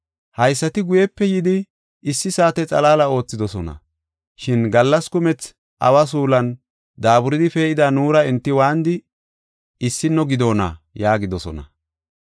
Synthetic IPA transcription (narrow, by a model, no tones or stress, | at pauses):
hɐjsːɐt̪ɪɡʊjɛpːɛjɪd̪ɪː | sːɪsaːt̪ɛt͡sʼɐlaːlɐo̞ːt͡sːɪd̪ɔsɔnɐ̰ | ʃɪnɡɐlːɐskʊmɛt͡s | ʔɐ̰wɐs̬uːlɐn | d̪aːbʊɾɪd̪ɪfɛɪd̪anuːɾɐɛnt̪ːɪwaːnd̪ɪ | ɪsːɪnːɔɡɪd̪o̞ːnɐ̰jaːɡɪd̪ɔsɔ̰nɐ̰